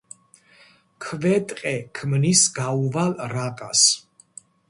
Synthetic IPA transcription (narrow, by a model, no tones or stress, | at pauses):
kʰvɛt̪ʼqʼɛkʰmnisɡauvalɾakʼas